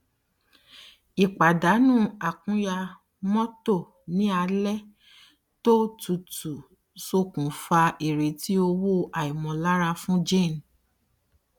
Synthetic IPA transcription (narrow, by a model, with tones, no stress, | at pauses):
i˨k͡pa˨da˨˦nũ˦˨a˨kũ˨˦ja˧ | mɔ̃˦to˦˨ | nĩ˦a˧lɛ˦ | to˦tu˨tu˨ | so˧˨kũ˨fa˧ʔe˨ɾe˨ti˦o˧wo˦ʔa˨i˨mɔ̃˨˦la˦ɾa˧fũ˦d͡ʒẽ˦˨n˨